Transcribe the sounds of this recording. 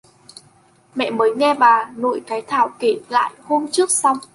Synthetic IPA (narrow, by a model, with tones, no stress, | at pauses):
mɛ̰˧˨məː˨˦jŋɛ˧ɓaː˨˩no̰˧˨jkaː˨˦jt̪ʰaː˧˩wke˨˧˩t̚la̰ː˧˨jho˧mt͡ɕɨ˦˥ək̚sa˧w